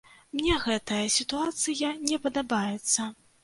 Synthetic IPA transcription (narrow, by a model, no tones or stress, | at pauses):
mnʲɛɣɛt̪ɐjɐsʲit̪uat̪sɨjɐnʲɛpɐd̪abajɛt̪sːɐ